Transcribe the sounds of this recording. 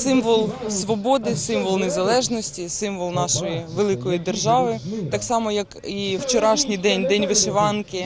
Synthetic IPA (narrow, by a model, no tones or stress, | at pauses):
sɪmʋɔlˠsʋɔbɔd̪ɪsɪmʋɔlˠnezɐlˠɛʒnɔsʲtʲisɪmʋɔlˠnɑʃɔjiʋelˠɪkɔjid̪e̞rʒɑʋɪt̪ɑksɑmɔjɐkiwt͡ʃɔɾɑʃnʲijd̪ɛnʲd̪ɛnʲʋɪʃɪʋɑnkɪ